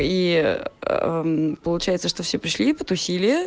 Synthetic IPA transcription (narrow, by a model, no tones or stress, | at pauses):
i | pəlˠʊt͡ɕæjɪt̪səʂt̪ofsʲepɾʲɪʂlʲipət̪ʊsʲilʲɪjə